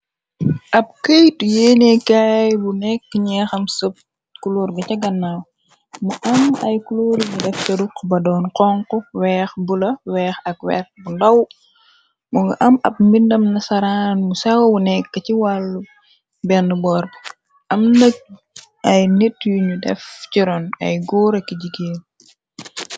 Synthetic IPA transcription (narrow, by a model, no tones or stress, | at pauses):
ʔɐp̚kəjtjɛːnɛkajbunɛkːəɲɛxɐmsəp̚ | kuluɾɡɐcɐɡɐnːaw | muʔɐmɐ̰jkuluɾɡidɛftɐdukbɐdɔːnqɔŋkɔwɛːxbulɐwɛːxɐk̚wɛ̰ːxbundɐw | muŋɡɐʔɐmɐ̰p̚mindɐmnɐsɐɾaːnmusawɐwunɛkːɐciwalːu | bɛndəbɔːr | ɐmnɐk̚ | ɐjnɛtjuɲudɛ̰fciɾɔnɐ̰jɡuːɾɐkːiɟiɡeːn